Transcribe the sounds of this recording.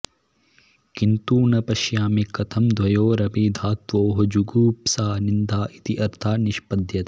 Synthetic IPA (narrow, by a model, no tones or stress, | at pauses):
kint̪uːnɐpɐʃjaːmikɐt̪ʰɐmd̪ʋɐjoːɾɐbiːd̪ʱaːk̚t̪ʋoːɦɐd͡ʒuɡuːpsaːnind̪aːʔit̪iʔɐɾt̪ʰaːniʃpɐd̪ʱjɐt̪e